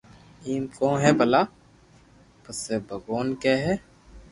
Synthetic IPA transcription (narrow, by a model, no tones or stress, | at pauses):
iːmkõːɦɛbɐlaː | pəsebʱəɡoːnkɛːɦɛː